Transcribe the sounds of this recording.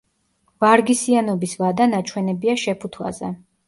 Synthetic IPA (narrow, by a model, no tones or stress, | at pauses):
vaɾɡisianɔbisvad̪anat͡ʃʰwɛnɛbiaʃɛpʰut̪ʰwa̰zɛ̰